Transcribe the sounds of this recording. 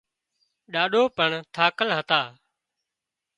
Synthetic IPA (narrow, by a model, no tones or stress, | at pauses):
ɗaːɗoːpəɳt̪ʰaːkəlɦət̪aː